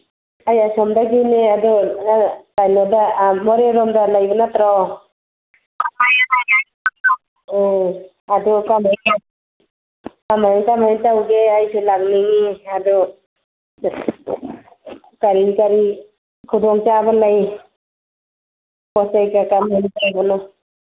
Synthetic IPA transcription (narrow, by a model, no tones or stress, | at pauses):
ajasɔmdaɡineadɔ | tajnɔdamɔɾeɾɔmdalajbanatɾaw | amajanajaj | a | ɔ | adɔkama | kamajnkamajntawɡeajsʰelaɡniŋiadɔ | kaɾiŋkaɾi | kʰudɔŋt͡ʃabalaj | pɔsajkakamantawbɔnɔ